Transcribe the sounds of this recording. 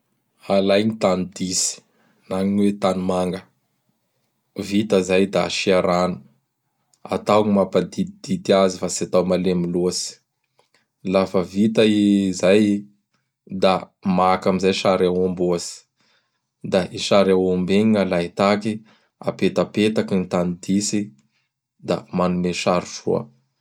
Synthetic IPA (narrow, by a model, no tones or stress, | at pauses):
alajɲit̪anid̪isi̥ | naɲiɲwet̪anumaŋɡə | vit̪əzajd̪aʃiaɾanu̥ | a̰t̪awɲimapad̪id̪̥it̪iazifasiat̪awmalemiluasi̥ | lafəvit̪aizaj | d̪a | makamizajʃaɾawomboasi̥ | d̪aʔiʃaɾawombeɲiŋalait̪aki | a̰pet̪apet̪akinit̪anid̪isi | d̪a̰manumeʃaɾuʃṵa̰